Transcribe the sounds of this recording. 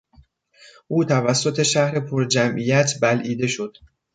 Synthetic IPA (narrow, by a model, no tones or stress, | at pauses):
ʔuːt̪ʰævæsːo̞t̪ʰe̞ʃæhɾe̞pʰoɾd͡ʒæmʔijæt̪ʰbælʔiːd̪e̞ʃo̞d̪̥